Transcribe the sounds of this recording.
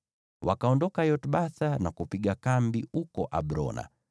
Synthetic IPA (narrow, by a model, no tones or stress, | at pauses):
wakaɔndɔkajɔtɓaθanakupiɡakambiukɔʔaɓɾɔ̰na̰